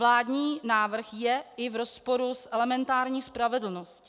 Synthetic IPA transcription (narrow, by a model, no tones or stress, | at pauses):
laːdɲiːnaːvr̩xjɛɪvɾo̞spoɾusʔɛlɛmɛnt̪aːɾɲiːspɾavɛdl̩nosc